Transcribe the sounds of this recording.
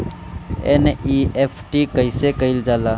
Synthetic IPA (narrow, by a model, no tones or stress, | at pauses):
ḛniepʰʈikəɪsekəɪld͡ʒaːla